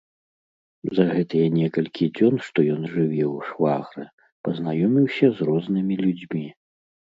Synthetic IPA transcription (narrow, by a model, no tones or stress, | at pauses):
zɐɣɛt̪ɨjɐnʲɛkɐlʲkʲʰid͡zʲɔnʂt̪ɔjɔnʐɨvʲɛwʂvaɣɾɨ | pɐznajɔmʲiwsʲɐzrɔznɨmʲilʲud͡zʲmʲi